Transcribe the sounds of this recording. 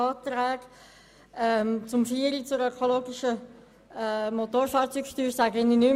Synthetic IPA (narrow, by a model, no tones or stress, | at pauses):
ɑːt̪ɾæːɡ̥ | ɛmt͡sʊmfiəɾit͡sʊɾœkʰoloːɡiʃə | mot̪oːɾfɑːɾt͡sykʃtyːɾsæɡəɪniny